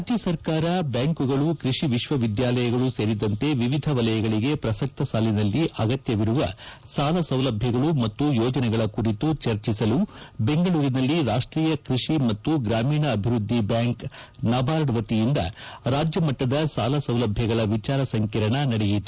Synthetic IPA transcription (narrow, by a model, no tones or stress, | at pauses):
ad͡ʒjɐsɐɾkaːɾɐbjaːŋkuɡɐɭukɾiʂiʋiʃʋɐʋid̪jaːlɐjɐɡɐɭuse̞ːɾid̪ɐnt̪e̞ʋiʋid̪ʱɐʋɐlɐjɐɡɐɭiɡe̞pɾɐsɐk̚t̪ɐsaːlinɐlːiʔɐɡɐt̪jɐʋiɾuʋɐ | saːlɐsɐwlɐbʱjɐɡɐɭumɐt̪ːujɔːd͡ʒɐnɛɡɐɭɐkuɾit̪ut͡ʃɐɾt͡ʃisɐlube̞ŋɡɐɭuːɾinɐlːiɾaːʂʈɾiːjɐkɾiʂimɐt̪ːuɡɾaːmiːɳɐːbʱiɾud̪ʱːibjaːŋk | naːbʱaːɾɐɽɐʋɐt̪ijind̪ɐ̰ɾaːd͡ʒjɐmɐʈːɐd̪ɐsaːlɐsɐwlɐbʱjɐɡɐɭɐʋit͡ʃaːɾɐsɐŋkiɾɐɳɐnɐɽejit̪ːu